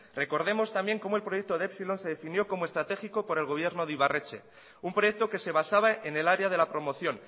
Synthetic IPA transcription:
re̞ko̞ɾð̞e̞mo̞st̪ambje̞ŋko̞moe̞lpɾo̞jek̚t̪o̞ðeepsilo̞nse̞ðe̞finjo̞ko̞moe̞st̪ɾat̪exiko̞po̞ɾe̞lɣ̞o̞β̞je̞ɾno̞ðiβaret͡ʃe̞̰ | umpɾo̞jek̚t̪o̞ke̞se̞βasaβaʔene̞laɾeaðe̞lapɾo̞mo̞θjo̞n

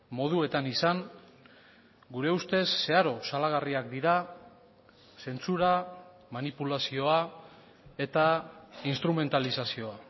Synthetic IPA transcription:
mo̞ð̞ue̞t̪anisaŋ | ɡuɾe̞ust̪e̞sːe̞aɾo̞salaɣ̞ariak̚d̪iɾa | se̞nt͡suɾa | manipulasio̞a | e̞t̪ainst̪ɾume̞nt̪alisasio̞a

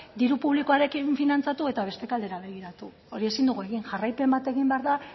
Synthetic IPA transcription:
d̪iɾupuβlikoaɾe̞kiɱfinant͡sat̪ue̞t̪aβ̞e̞st̪e̞kald̪e̞ɾaβe̞ɣ̞iɾat̪u | oɾie̞sind̪uɣue̞ɣiŋʝarajpe̞mbat̪e̞ɣimbe̞aɾða

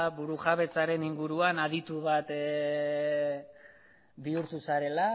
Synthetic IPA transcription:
βuɾuʝaβe̞t͡saɾe̞niŋɡuɾuanað̞it̪uβat̪ | biuɾt̪usaɾe̞la

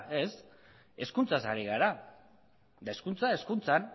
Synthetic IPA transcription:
e̞s | e̞skunt͡sasaɾiɣaɾa | d̪ae̞skunt͡sae̞skunt͡san

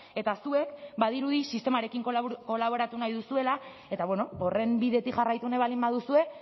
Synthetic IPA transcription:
e̞t̪asue̞kbaðiɾuðisist̪e̞maɾe̞kiŋkko̞laβ̞o̞ɾat̪unajðusue̞la | e̞t̪aβwe̞no̞ore̞mbiðe̞t̪ikʝarajt̪uneβalimbaðusue̞

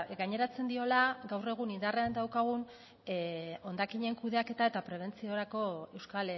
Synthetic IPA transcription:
ɡaɲe̞ɾat͡se̞nd̪io̞laɡawre̞ɣ̞unind̪areand̪awkaɣ̞un | o̞nd̪akiɲe̞ŋkuðe̞ake̞t̪ae̞t̪apɾe̞β̞e̞nt͡sio̞ɾako̞e̞wskale

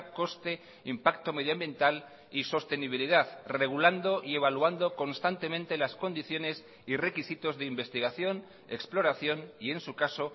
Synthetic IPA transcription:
ko̞st̪e̞ | impakt̪o̞me̞ð̞joambje̞nt̪al | iso̞st̪e̞niβ̞iliðaðre̞ɣ̞uland̪o̞ʔie̞β̞alwand̪o̞ko̞nst̪ant̪e̞mẽ̞nt̪e̞lasko̞nd̪iθjo̞ne̞s | ire̞kisit̪o̞zðeimbe̞st̪iɣ̞aθjo̞n | e̞ksplo̞ɾaθjo̞nie̞nsukaso̞

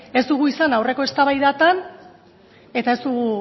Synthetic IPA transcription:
e̞zd̪uɣuisanawre̞ko̞e̞st̪aβajðat̪an | e̞t̪ae̞zd̪uɣu

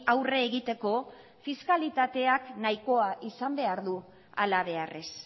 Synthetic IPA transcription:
awre̞ːɣit̪e̞ko̞ | fiskalit̪at̪e̞aknajko̞aʔisambe̞aɾðu | a̰laβ̞e̞are̞s

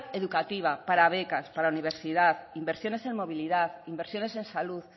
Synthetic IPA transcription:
eðukat̪iβ̞apaɾaβ̞ekaspaɾauniβ̞eɾsiðaθimbeɾsjo̞ne̞se̞ŋmo̞β̞ilið̞aθimbeɾsjo̞nese̞nsaluθ

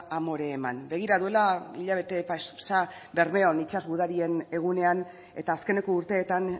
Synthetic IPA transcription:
amo̞ɾe̞ːma̰nbe̞ɣ̞iɾaðue̞laiʎaβ̞e̞t̪e̞pasabe̞ɾme̞onit͡ʃazɣuð̞aɾie̞ne̞ɣ̞une̞an | e̞t̪aːske̞ne̞ko̞uɾt̪e̞ːt̪an

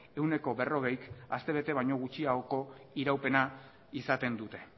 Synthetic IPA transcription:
e̞wne̞ko̞βe̞ro̞ɣe̞jkast̪e̞βe̞t̪e̞β̞ajɲo̞ɣ̞ut͡ʃiaoko̞iɾawpe̞na | isat̪e̞nd̪ut̪e̞

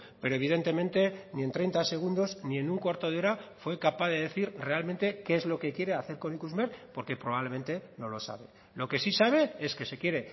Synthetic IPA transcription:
pe̞ɾo̞e̞β̞iðe̞nt̪e̞mẽnt̪e̞nie̞nt̪ɾe̞jnt̪ase̞ɣ̞und̪o̞znie̞nuŋkwaɾt̪o̞ðeo̞ɾafwe̞kapaðe̞ðe̞θiɾre̞almẽnt̪e̞keezlo̞ke̞kje̞ɾe̞aθe̞ɾko̞nikuzmeɾpo̞ɾke̞pɾoβaβle̞mẽ̞nt̪e̞no̞lo̞sa̰βe̞ | lo̞ke̞sisaβ̞e̞e̞ske̞se̞kje̞ɾe̞

